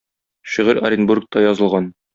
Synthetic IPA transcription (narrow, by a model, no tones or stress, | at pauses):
ɕiʁɘɾɐ̰ɾʲɪnburk̚t̪ɑjɒzɤ̆lˠʁɑn